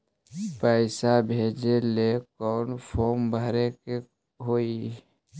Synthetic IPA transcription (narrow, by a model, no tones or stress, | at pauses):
pəɪsabʱed͡ʒelekɔːnpʰoːmbʱəɾeke | ɦoːi